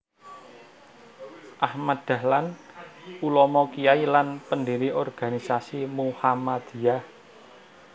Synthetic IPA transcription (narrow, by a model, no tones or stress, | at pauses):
ʔahmad̪̥a̤hlan | ulɔmɔkijailanpəndiɾiʔɔrɡ̥anisasimuhamad̪̥ijah